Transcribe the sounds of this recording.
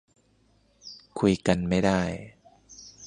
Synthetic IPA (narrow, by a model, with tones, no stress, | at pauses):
kʰu˧jka˧nma˥˩jda˥˩j